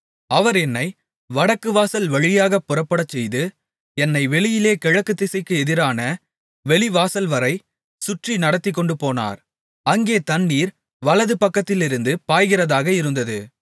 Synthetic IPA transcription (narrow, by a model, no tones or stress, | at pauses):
ɐʋɐɾɛnːɐɪ | ʋɐɽɐkːɯʋaːsɐlʋɐɻɪjaːɣɐpːʊrɐpːɐɽɐt͡ʃːɛjðɯ | ɛnːɐɪʋɛɭɪjɪleːkɛɻɐkːɯt̪ːɪsɐɪkːɯɛðɪɾaːnɐ | ʋɛɭɪʋaːsɐlʋɐɾɐɪ | sʊʈrinɐɽɐt̪ːɪk̬ːɔɳɖɯpoːna̰ːɾ | ɐŋɡeːt̪ɐnːiːɾ | ʋɐlɐðɯpɐkːɐt̪ːɪlɪɾɯnd̪ɯpaːjɣɪrɐðaːɣɐɪɾɯnd̪ɐðɯ